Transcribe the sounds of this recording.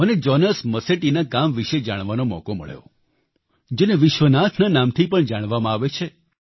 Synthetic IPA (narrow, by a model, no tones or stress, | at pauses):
əned͡ʒɔnəsməseʈinakamʋiʃed͡ʒaɽ̃ʋanomɔ̰komə̰ɭḛo | d͡ʒeneʋɪʃʋənat̪ʰnanamt̪ʰipəɳd͡ʒaɽ̃ʋamãaʋet͡ʃʰe